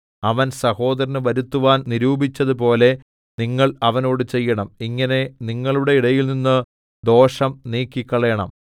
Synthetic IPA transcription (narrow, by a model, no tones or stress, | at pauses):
ɐʋɐnsɐho̞ːd̪ɐɾɐnɨʋɐɾut̪ːuʋaːnniɾuːbit͡ɕːɐðɨpo̞ːle̞ | niŋːɐɭɐʋɐno̞ːɽɨt͡ɕe̞jːɐɳɐmiŋːɐne̞niŋːɐɭuɽe̞iɽɐjilninːɨ | d̪o̞ːʂɐmniːkːikʲːɐɭeːɳɐ̰m